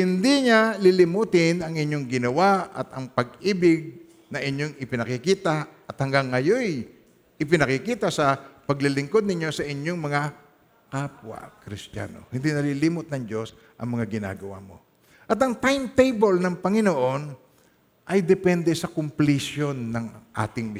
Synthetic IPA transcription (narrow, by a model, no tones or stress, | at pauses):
hɪnd̪iɲalɪlɪmut̪ɪnɐŋɪɲːoŋɡɪnɐwaʔɐ̰t̪ɐŋpɐɡ̚ʔiːbɪɡ̚ | nɐʔɪɲjo̞ŋɪpɪnɐkɪkiːt̪aʔɐt̪hɐŋɡaŋːɐjo̞j | ʔɪpɪnɐkɪkiːt̪asɐpɐɡlɪlɪŋko̞d̪nɪɲo̞sɐʔɪɲjo̞ŋmɐŋa | kapwa̰kɾɪst̪ja̰no̞̰hɪnd̪inɐlilimʊt̪̚nɐŋd͡ʒo̞s | ʔɐ̰ŋmɐŋaɡɪna̰ːɡɐwa̰mo̞̰ | ʔɐt̪ɐŋt̪ajmt̪ejbɛlnɐŋpɐŋɪnoʔo̞n | ʔɐjd̪ɛpɛnd̪ɛsɐkʊmplɪsjo̞nːɐŋʔa̰ːt̪ɪŋm